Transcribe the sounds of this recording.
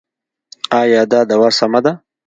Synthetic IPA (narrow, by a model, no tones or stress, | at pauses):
ɑːjɑːd̪ɑːd̪awasamad̪a